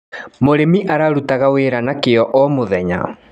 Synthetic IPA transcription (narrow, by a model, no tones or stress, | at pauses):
moɾemiʔaɾaɾutaɣaweːɾanakeɔʔɔmoðɛɲa̰